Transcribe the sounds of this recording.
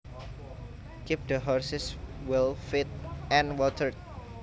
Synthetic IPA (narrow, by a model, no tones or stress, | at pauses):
kip̚d̪əɦɔɹsɪswɪlfit̪̚ɛ̃nwɔt̪ʰər̚